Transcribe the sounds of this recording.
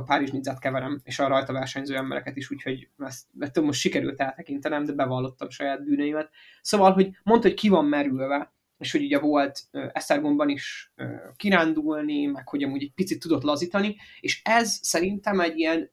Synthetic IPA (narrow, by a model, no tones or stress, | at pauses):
paːɾiʒnid̪zaːt̪kɛvɛɾɛmḛːʃɒɾɒjt̪ɒvɛrʃɛɲzøːɛmbɛɾɛ̰kɛt̪iʃuːcho̞ɟɛst̪ɛt̪ølmo̞ʃt̪ʃikɛɾy̰lt̪ɛlt̪ɛkint̪ɛnɛmd̪ɛbɛvɒlːo̞t̪ːɒmʃɒjaːd̪̚byːnøjimɛt̪̚ | soːvɒlɦo̞ɟmo̞nt̪hockivɒmːɛɾylvɛ | eːʃho̞ɟuɟɛvo̞lt̪øːʔɛst̪ɛrɡo̞mbɒniʃø̰ːkiɾaːnd̪ulnimɛkho̞ɟɒmuːɟɛɟ̚pit̪sit̪ːud̪o̞t̪lɒziːt̪ɒnieːʃɛzsɛɾint̪ɛmɛɟːiɛn